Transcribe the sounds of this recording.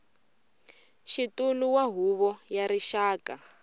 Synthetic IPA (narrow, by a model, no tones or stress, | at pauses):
ʃituluwaɦuβɔjaɾiʃaːka